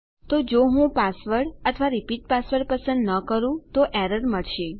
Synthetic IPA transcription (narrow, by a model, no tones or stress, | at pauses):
t̪od͡ʒoɦũpasʋəɾʈət̪ʰəʋaɾipiʈ̚pasʋəɾʈpəsə̃nd̪nəkəɾũt̪oʔɛɾəɾməɭʃe